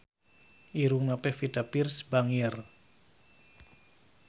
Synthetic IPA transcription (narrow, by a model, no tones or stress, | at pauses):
ʔiɾuŋnapɛfid̪̥apirsb̥aŋiɛr